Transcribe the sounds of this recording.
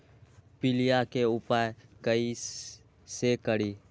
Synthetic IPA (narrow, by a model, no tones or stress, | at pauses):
pɪlɪjakeʊpaːekəi | sekəɽiː